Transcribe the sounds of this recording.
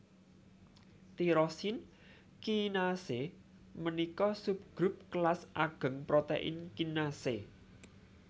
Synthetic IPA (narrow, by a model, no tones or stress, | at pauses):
t̪iɾɔsin | kinase | mənikɔsup̚ɡ̥ɾʊp̚kəlasʔaɡ̥ə̤ŋpɾot̪ḛʔɪ̰nkinase